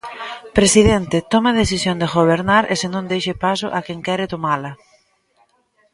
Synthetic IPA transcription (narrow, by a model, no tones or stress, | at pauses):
pɾesiðɛnt̪ɪt̪ɔmɐðeθisjond̪eɣoβeɾnaɾʔesenõnd̪ejʃepasʊʔakɛŋkɛɾɪt̪omalɐ